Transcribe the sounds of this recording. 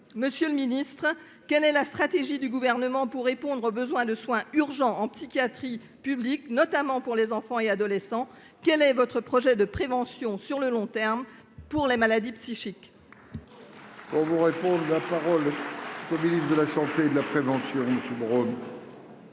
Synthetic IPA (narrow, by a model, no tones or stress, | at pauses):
məsjøləminist̪χ | kɛlɛlast̪χat̪eʒid̪yɡuvɛʁnəmɑ̃puʁːepɔ̃d̪ʁobəzwɛ̃d̪əswɛ̃yʁʒɑ̃ʔɑ̃psikʲjat̪χi | pybliknɔt̪amɑ̃puʁlezɑ̃fɑ̃ead̪ɔlɛsɑ̃ | kɛlɛvɔt̪χəpχɔʒɛd̪əpχevɑ̃sjɔ̃syʁləlɔ̃t̪ɛʁm | puʁlemalad̪ipsiʃik | puʁvuʁepɔ̃d̪ʁlapaʁɔlkominisd̪əlasɑ̃t̪ed̪əlapχevɑ̃sjɔ̃məsjøbʁon